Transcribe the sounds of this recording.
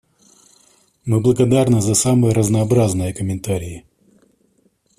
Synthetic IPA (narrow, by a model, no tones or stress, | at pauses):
mɨblˠəɡɐd̪arnɨzɐsamɨjəɾəznɐːbɾaznɨjəkəmʲɪnt̪aɾʲɪjɪ